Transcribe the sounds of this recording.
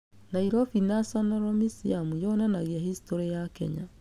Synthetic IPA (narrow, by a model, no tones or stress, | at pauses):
naiɾɔfinasanaɾɔmisiamujɔnanaɣeahistɔɾɛjakɛ̰ɲa̰